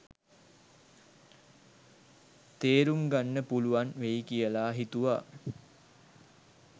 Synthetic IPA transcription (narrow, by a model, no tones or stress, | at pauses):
t̪eːɾuŋɡanːəpuluʋanʋeikijəlaːɦit̪uʋa